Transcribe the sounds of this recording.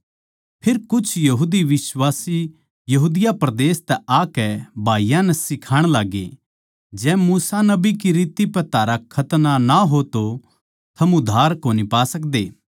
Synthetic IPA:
pʰɪɾkʊt͡ʃʰjɐɦuːd̪iʋɪsʋaːsi | jɐɦuːd̪ɪjapɾɐd̪eːst̪ɛʔaːkɛbʱaːijãnɛsɪkʰaːɽ̃laːɡḛː | d͡ʒɛ̃ːmuːsanɐbikiɾiːt̪ipɛt̪ʰaːɾakʰɐt̪nanaɦot̪o | t̪ʰɐmʊd̪ʱaːɾkoːnipaːsɐk̚d̪eː

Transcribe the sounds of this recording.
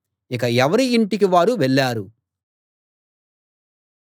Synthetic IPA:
ik̬ɐɛʋɐɾiːɳʈikiʋaːɾuʋɛɭːaːɾu

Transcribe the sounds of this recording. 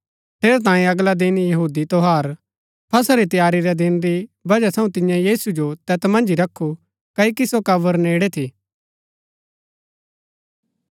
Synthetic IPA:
p̪ʰeːɾt̪ãːĩɐɡlad̪ɪnjɐɦuːd̪it̪oɦaːɾ | pʰɐsaɾit̪ɪjaːɾiɾɛd̪ɪnɾibɐd͡ʒat̪ʰɐ̃ũt̪ɪ̃jãjiːsud͡ʒot̪ɛːt̪mɐ̃nd͡ʒiɾɐkʰːu | kɐikisokɐʋəɾneːɽɛt̪ʰiː

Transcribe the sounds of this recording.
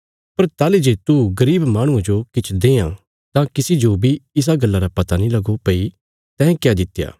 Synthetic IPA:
pɐɾt̪aːled͡ʒeːt̪uɡɐɾiːbmaːɽ̃ʊ̃ãd͡ʒokɪt͡ʃʰd̪eːã | t̪ãkɪsid͡ʒoːbʱiɪs̬aɡɐlːaɾapɐt̪anĩlɐɡopɐi | t̪ɛ̃ːkjad̪ɪt̪ːja̰ː

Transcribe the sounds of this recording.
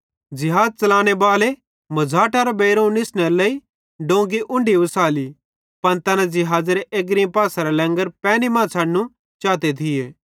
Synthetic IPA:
d͡ʒɪɦaːd͡zt͡ʃɐlãːɽ̃ebaːle | mɐd͡zʱaːʈaɾabeːɾõũnɪsneɾlɐi | ɖõːɡiʔʊ̃ɳɖiʋɐsaːli | pɐnt̪ɐnãd͡ʒɪɦaːd͡zɾeʔeːɡɾĩpaːsaɾalɛ̃ːŋɡəɾpɛ̃ːnimãːsʰaːɽnũ | t͡ʃaːt̪et̪ʰɪjeː

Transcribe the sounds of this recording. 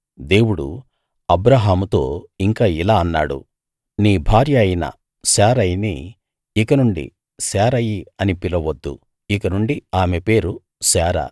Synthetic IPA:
d̪e̞ːwuɽṵ | ɐbɾaːɦaːmut̪o̞ːiŋkaːilaːɐnːa̰ːɽṵ | niːbʱaːɾjɐːjinɐ̰ | saːɾɐjnḭː | kɐnuɳɖḭ | saːɾɐjiɐnipilɐʋɐd̪ːṵ | ikɐnuɳɖiaːme̞pe̞ːɾu | saːɾa̰

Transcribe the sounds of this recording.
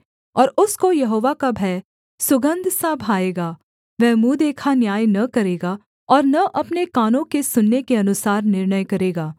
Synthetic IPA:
ɔːɾʊskojɐɦoːʋakabʱɛː | sʊɡə̃nd̪ʱsabʱaːeːɡaː | ʋɛːmuːd̪eːkʰanjaːjnɐkɐɾeːɡa | ɔːɾnɐʔɐpnekaːnõkesʊnːekeɐnʊsaːɾnɪɾnəjkɐɾeːɡaː

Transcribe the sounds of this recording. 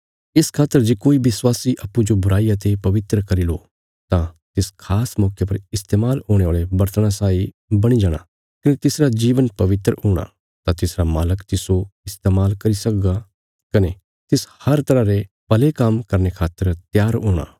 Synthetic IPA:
ɪskʰaːt̪ːəɾd͡ʒeːkoːiʋɪswaːsiʔɐpːud͡ʒobʊɾaːijat̪epɐʋɪt̪ɾəkɐɾilo | t̪ãt̪ɪskʰaːsmɔːkʰjap̬ɐɾɪst̪eːmaːlɦõːɽ̃eaːɭebɐɾt̪əɽ̃asaːi | bɐɽ̃id͡ʒaːɽ̃a̰ | kɐnet̪ɪsɾad͡ʒiːʋənpɐʋɪt̪ɾəɦuːɽ̃a̰ | t̪ãt̪ɪsɾamaːləkt̪ɪsoɪst̪eːmaːlkɐɾisɐk̚ɡa | kɐne | t̪ɪshɐɾt̪ɐɾaɾe | pɐlekɐmkɐɾnekʰaːt̪ːəɾt̪jaːɾɦõːɽ̃a̰ː

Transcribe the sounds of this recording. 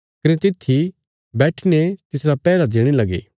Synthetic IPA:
kɐnet̪ɪt̪ʰːi | bɛːʈʰnet̪ɪsɾapɛːɾad̪eːɽ̃elɐɡḛː

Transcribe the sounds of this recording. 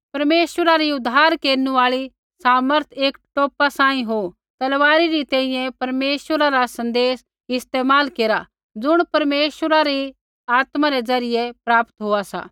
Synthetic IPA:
pɐɾmeːʃwəɾaɾiʊd̪ʱaːɾkeːɾnũaːɭi | saːməɾt̪ʰeːkʈoːpasãːĩɦo | t̪ɐlʋaːɾiɾit̪ɛ̃ːĩjɛ̃pɐɾmeːʃwəɾaɾasɐ̃nd̪eːs | ɪst̪eːmaːlkeːɾa | d͡zʊɽ̃pɐɾmeːʃwəɾaɾi | aːt̪maɾezɐɾɪjepɾaːpt̪ɦoasa̰ː

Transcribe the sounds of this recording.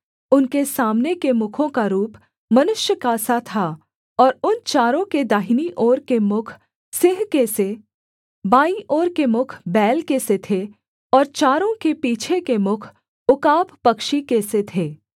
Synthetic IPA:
ʊnkesaːmnekemʊkʰõkaɾuːp | mɐnʊʃjəkaːsat̪ʰa | ɔːɾʊnt͡ʃaːɾõked̪aːɦiniʔoːɾkemʊkʰ | sɪɦkese | baːiʔoːɾkemʊkʰbɛːlkeset̪ʰe | ɔːɾt͡ʃaːɾõkepiːt͡ʃʰekemʊkʰ | ʊkaːp̚pɐkʃikeset̪ʰeː

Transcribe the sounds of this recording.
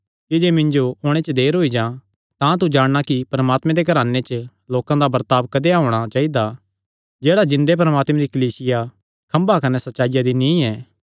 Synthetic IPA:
kid͡ʒeːmɪ̃ɲd͡ʒoʊɽ̃et͡ʃəd̪eːɾɦoːid͡ʒãː | t̪ãt̪ud͡ʒaːɽ̃nakipɾɐmaːt̪mẽd̪ekɐɾaːnːet͡ʃə | loːkãd̪abɐɾt̪aːbkɐd̪eaɦoːɽ̃at͡ʃaːid̪a | d͡ʒeːɽad͡ʒɪ̃nd̪ep̬ɐɾəmaːt̪mẽd̪ikɐliːsɪja | kʰɐ̃mbakɐnɛsɐtːʃaːɪjad̪inĩːɛː

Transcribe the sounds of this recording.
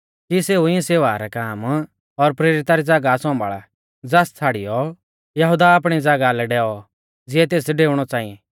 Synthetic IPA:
kiseːuɪ̃ɛ̃seːʋaːɾɛkaːm | ɔɾpɾeːɾɪt̪aɾid͡zɐɡasɔ̃mbaɭa̰ | d͡zɛst͡sʰaːɽɪjɔ | jɐɦʊd̪aːp̬ɽ̃id͡zɐɡalɛɖɛːɔ | d͡zɪɛt̪̬eːsɖeːʊɽ̃ɔt͡sãːĩɛ̃

